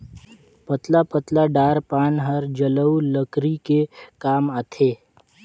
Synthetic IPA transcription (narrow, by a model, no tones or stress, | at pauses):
pət̪lapət̪laɖaːɾpaːnɦəɾd͡ʒələuləkɾikekaːmat̪ʰeː